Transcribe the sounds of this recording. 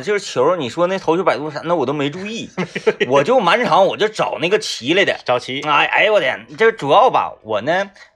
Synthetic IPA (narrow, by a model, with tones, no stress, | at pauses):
ʈ͡ʂʂɻ̩˥˩t͡ɕʰjo˧˥ʊni˨˩ʂwɔ˥na˥˧˩t̪ʰo˧˥ʊo˥pa˨˩ɪt̪wu˥˩ʂa˧˥na˥˩˨wɔ˨˩t̪̬o˥ʊme˧˥ɪʈ͡ʂu˥i˥˩wɔ˨˩t͡ɕjo˥˩ʊma˧˥nʈ͡ʂʰɑ˧˥ŋwɔ˨˩t͡ɕjo˥˧˩ʊʈ͡ʂɑ˨˩ʊna˥˩ɡə˩t͡ɕʰi˧˥le˥˩d̪ə̰˨˩ʈ͡ʂɑ˨˩ʊt͡ɕʰi˧˥a˧˥ɪʔa̰˧˥ɪwɔ˧˥t̪jɛ̰˨˩˦nt͡ɕə˥˧ʂʈ͡ʂu˨˩jɑ˥˩ʊbɐ̰˨˩wɔ̰˨˩nə˦